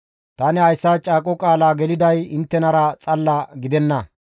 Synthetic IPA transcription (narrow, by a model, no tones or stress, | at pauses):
t̪ɐnɪhɐjsːaːt͡ʃʼaːkʼɔkʼaːlaːɡɛlɪd̪ɐjɪnt̪ːɛnɐɾɐt͡sʼɐlːɐɡɪd̪ɛnːɐ